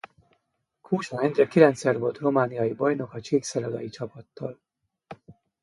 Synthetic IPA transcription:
kʰuːʃɒɾɛnd̪rɛkilɛnt̪sɛrvo̞lt̪ro̞maːnijɒjibɒjno̞kɒt͡ʃiːksɛɾɒd̪ɒ̰jit͡ʃɒpɒt̪ːɒl

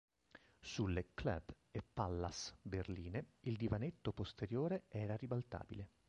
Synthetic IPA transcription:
suleklɛ̰b | epːalːasberliːneild̪ivanet̪ːopost̪eɾjoːɾeɛːɾaribalt̪a̰ːbile

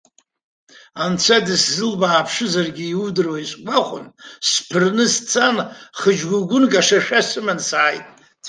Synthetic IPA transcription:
ant͡sʷʰadɨszɨlbaːpʰʂɨzarɡʲiːudɨrwaisʷʼɡʷaχʷʊ̰nspʰɨrnɨst͡sʰanχəd͡ʒɡʷuɡʷʊnɡʼaʂaʃᶣasɨmansaajtʼ

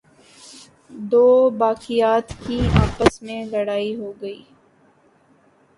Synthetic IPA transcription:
d̪oːbaːkijaːt̪kiaːpəsmẽlɐɽaːiɦoːɡɐiː

